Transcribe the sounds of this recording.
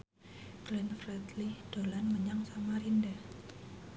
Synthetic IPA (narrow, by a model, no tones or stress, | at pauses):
ɡ̥lɛnfrɛt̪lid̥o̤lanməɲaŋsamaɾinda